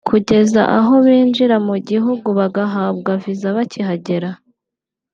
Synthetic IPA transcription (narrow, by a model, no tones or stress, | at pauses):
kʰuɟe̞za̰ʔaɦo̞βiːnd͡ʒiɾamuɟiɦuɡuβaɡaɦaːbɡavizaβacʰiɦaɟe̞ɾa